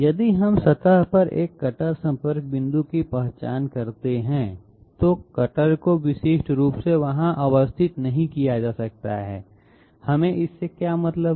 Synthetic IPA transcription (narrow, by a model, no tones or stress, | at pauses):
jɐd̪iɦɐmsɐt̪əɦpɐɾḛːkːɐʈəɾsɐ̃mpəɾk̚bɪ̃nd̪ukipɛɦt͡ʃaːnkɐɾt̪eɦɛ̃ | t̪okɐʈəɾkoʋɪsɪʃʈɾuːpseʋɐɦãʔəʋəst̪ʰɪt̪nɐɦĩkijad͡ʒaːsɐk̚t̪a̰ɦɛ̰ː | hɐmẽʔɪsːekjaːmɐt̪ləb